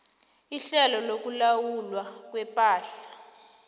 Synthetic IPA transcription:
iɬɛlɔlok̬ulawulwak̬wɛpʼaːɬḁ

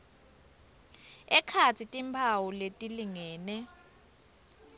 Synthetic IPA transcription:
ɛkʰat͡sʰitʼimpʰawuletʼiliŋɛːnɛ

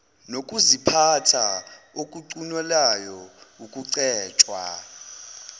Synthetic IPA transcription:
nokʼuzipʰatʰa | okʼuǀunwɛlajɔukʼuǀɛːt͡ʃʼwa̰

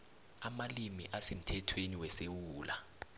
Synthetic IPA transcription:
amalimiʔasem̩tʰɛtʰweniwɛsewuːla

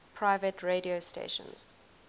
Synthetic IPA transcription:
pʰɹaɪvətʰɹediostḛʃə̰̃nz̥

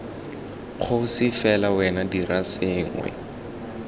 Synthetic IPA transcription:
q͡χʰosɪfɛlawɛnadirasɪːŋwɛ̰

